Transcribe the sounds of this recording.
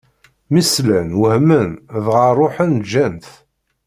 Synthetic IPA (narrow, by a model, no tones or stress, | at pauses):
mislænwəhmənðʁərˤːoħənd͡ʒænθ